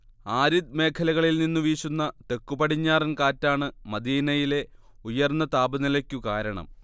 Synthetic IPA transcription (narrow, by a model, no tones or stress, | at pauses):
aːɾid̪̚me̞ːkʰɐlɐɣɐɭilninːuʋiːɕunːɐt̪e̞kːubɐɽiɲːaːrɐnkaːtːaːɳɨmɐd̪iːnɐjile̞ | ujɐrnːɐt̪aːbɐnilɐkʲːukaːɾɐɳɐ̰m